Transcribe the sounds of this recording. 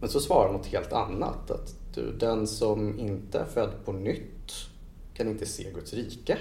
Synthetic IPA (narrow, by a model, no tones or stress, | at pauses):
mɛnsɔsvɑːɾaɾmɔt̪heːlt̪a̰nːa̰t̪ʰa̰t̪d̪̥ɵ̰d̪ɛnsɔmɪnt̪əæɾfœd̪ːpʰɔnʏt̪ː | kʰanɪnt̪əsḛːɡɵt̪sɾiːkə